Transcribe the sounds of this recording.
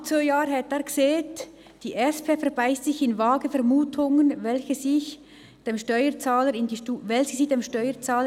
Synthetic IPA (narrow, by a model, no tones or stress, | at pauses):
t͡soːjaːɾɦɛtɛːɡ̥seːt | d̥iːʔɛspʰeːfɛʁbaɪstsɪçɪnvaːɡəfɛʁmuːtʰʊŋənvɛlçəsɪç | d̥eːmʃtœʏət͡saːləɾɪndiːʃtuvɛlçəsiːdeːmʃtœʏət͡saːlə